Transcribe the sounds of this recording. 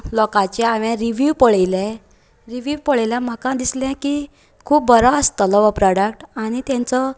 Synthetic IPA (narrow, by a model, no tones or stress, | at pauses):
lɔkat͡ɕɛaʋɛ̃ɾiʋiʋpəɭejlɛ̃ | ɾiʋiʋpəɭjljãm̤akãd̪isljãki | kʰuːp̚bəɾaəst̪əlɔʋəpɾɔɽəkʈaɽ̃it̪jãnt͡sɔ